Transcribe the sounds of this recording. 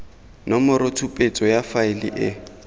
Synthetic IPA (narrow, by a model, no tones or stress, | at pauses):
nɔmʊɾʊtʰupʼet͡sʼɔjafaɪlḭʔɪ